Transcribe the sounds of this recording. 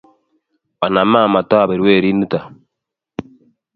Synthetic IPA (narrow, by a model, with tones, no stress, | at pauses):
wa˨na˨ma˦˨ma˨tɔ˦a˨be˨ɾwe˦˨ɾi˦nɨ˦ta˨